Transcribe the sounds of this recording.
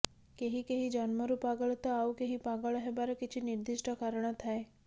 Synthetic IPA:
keɦikeɦid͡ʒɔnmɔɾupaɡɔɭɔt̪ɔawkeɦipaɡɔɭɔɦebaɾɔkit͡ʃʰiniɾd̪iʃʈʰɔkaɾɔɽ̃ɔt̪ʰae

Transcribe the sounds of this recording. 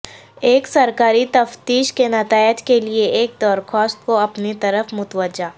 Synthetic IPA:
eːksɐɾkaːɾit̪ɐft̪iːʃkenɐt̪aːɪd͡ʒkelieʔeːk̚d̪ɔːɾxɔːst̪koɐpnit̪ɐɾəfmʊt̪ʋəd͡ʒaː

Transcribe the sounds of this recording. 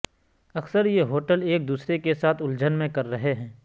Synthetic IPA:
ɐksəɾjeɦoːʈəleːk̚d̪uːsɾekesaːt̪ʰʊld͡ʒənmẽkɐɾːɐɦeɦɛ̃ː

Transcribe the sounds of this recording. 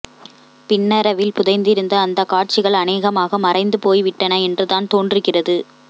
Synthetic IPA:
pɪnːɐɾɐʋɪlpʊðɐɪnd̪ɪɾɯnd̪ɐːnd̪ɐkaːʈ̚t͡ʃɪɣɐɭɐneːɣɐmaːɣɐmɐrɐɪnd̪ɯpoːjʋɪʈːɐnɐɛndrɯðaːnt̪oːnɖɪɾɯkːɪrɐðɯ

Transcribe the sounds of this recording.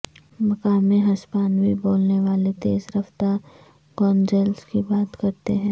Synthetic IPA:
mɐkaːmẽɦɐspaːnʋiboːlneʋaːlet̪eːzɾɐft̪a | ɡɔːnd͡ʒɛːlskibaːt̪kɐɾt̪eɦɛ̃ː

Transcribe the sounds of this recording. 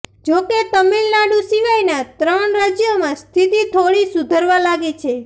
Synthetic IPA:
d͡ʒoket̪əmilnaɽũsiʋajnat̪ɾəɳɾad͡ʒjomãst̪ʰit̪it̪ʰoɽisud̪ʱəɾʋalaɡet͡ʃʰe

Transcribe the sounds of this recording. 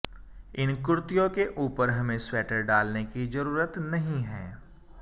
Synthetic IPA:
ɪnkʊɾt̪ɪjõkeʔuːpəɾɦɐmẽswɛːʈəɾɖaːlnekizɐɾuːɾət̪nɐɦĩɦɛ̰̃ː

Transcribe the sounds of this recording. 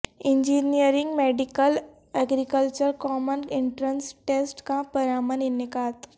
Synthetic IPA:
ɪ̃ɲd͡ʒiːnijəɾɪ̃ŋɡmeːɖɪkəl | ɐɡɾikəlt͡ʃəɾkɔːmənɪ̃ɳʈɾənsʈeːsʈkapɐɾaːməninɪkaːt̪

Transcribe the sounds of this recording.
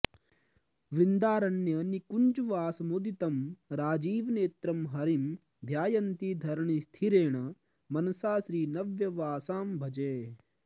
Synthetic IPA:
ʋɾind̪aːɾɐnjɐnikuɲd͡ʒuʋaːsɐmod̪it̪ɐmɾaːd͡ʒiːʋneːt̪ɾɐmɦɐɾim | d̪ʱjaːjɐnt̪id̪ʱɐɾɳist̪ʰiɾeːɳ̃ɐ | mɐnɐsaːʃɾiːnɐʋjɐʋaːsaːmbʱɐd͡ʒeː

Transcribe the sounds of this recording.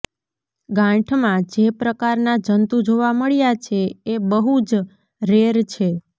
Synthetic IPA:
ɡãʈʰmãd͡ʒepɾəkaɾnad͡ʒənt̪ud͡ʒoʋaməɭjat͡ʃʰeebəɦud͡ʒ | ɾeɾt͡ʃʰe

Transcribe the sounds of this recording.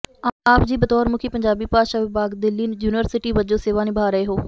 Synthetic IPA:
aːpd͡ʒiːbət̪ɔːɾmʊkʰiːpəɲd͡ʒaːbiːpaːd̪ʃaːʋɪbaːɡd̪ɪlːiːnd͡ʒuːnʋəɾsɪʈiːʋəd͡ʒõːseːʋaːnɪbʱaːɾəeːɦoː

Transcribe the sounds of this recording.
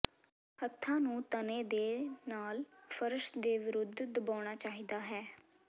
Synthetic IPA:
hət̪ʰːãːnũːt̪ənẽːd̪eːnaːlpʰəɾəʃd̪eːʋɪɾʊd̪ʱd̪əbaːɽ̃aːt͡ʃaːɦiːd̪aːɦɛː

